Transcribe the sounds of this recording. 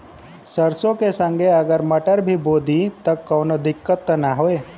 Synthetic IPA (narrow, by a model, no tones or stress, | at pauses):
səɾsõkesə̃ŋɡʱeɐɡəɾmɐʈəɾbʱiboːd̪ʱit̪ɐkːoːnod̪ɪkːət̪ːənaɦoeː